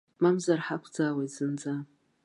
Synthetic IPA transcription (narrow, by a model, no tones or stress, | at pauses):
mamzarħakʷʰd͡zawejtz̥ɨnd͡za